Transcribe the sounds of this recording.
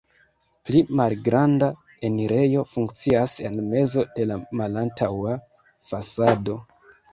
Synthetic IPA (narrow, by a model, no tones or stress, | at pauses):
plimalɡɾanda | e̞niɾe̞jo̞fuŋk̚t͡siase̞nme̞zo̞de̞lamalantʰawa | fasado̞